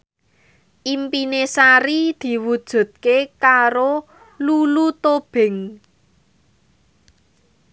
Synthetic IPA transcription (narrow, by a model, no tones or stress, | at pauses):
ʔimpinesaɾid̪̥i̤wud̥ʒ̥ṳd̪̚kekaɾo | lulut̪ob̥ɪ̤ŋ